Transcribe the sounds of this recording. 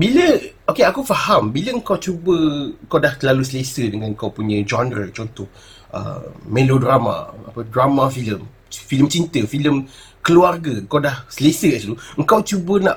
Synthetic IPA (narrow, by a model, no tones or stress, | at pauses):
biləokeakufahambiləəŋkawt͡ʃubəəŋkawdahlalusəlesədəŋãnŋkawpuɲə̃d͡ʒɔndɾət͡ʃɔnt̪ɔh | ʔə̰melodɾama̰a̰pədramafiləm | filəmt͡ʃint̪əfiləm | kəluarɡəəŋkawdahsəlesəsluəŋ̩kawt͡ʃubənã̰ʔ